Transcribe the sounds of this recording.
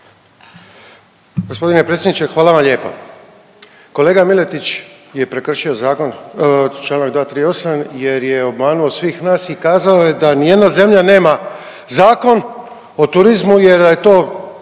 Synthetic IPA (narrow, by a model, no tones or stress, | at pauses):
ɡo̞spo̞d̪inepɾe̞t̪sʲjed̪nit͡ʃe̞xʋaːlaʋamʎe̞ːpo̰ | ko̞leːɡamile̞t̪it͡ɕje̞pɾe̞kr̩ʃio̞zaːkont͡ʃlˠaːnaɡd̪ʋaːt̪ɾiːo̞samje̞ɾjeo̞bmaːnuo̞sʋiːxnaːsikaːzaoje̞d̪anije̞d̪naze̞mʎane̞ːma | zaːko̞n | ot̪uɾizmuje̞ɾd̪ajet̪o̞ː